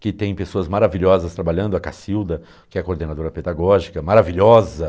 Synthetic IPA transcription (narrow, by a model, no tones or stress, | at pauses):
kɪt̪ẽj̃pesoɐzmaɾaviʎɔzɐst̪ɾabaʎɐ̃nd̪ʊɐkasiwd̪ɐ | kɪɛkoɾd̪enad̪oɾɐped̪aɡɔʒikɐmaɾaviʎɔzɐ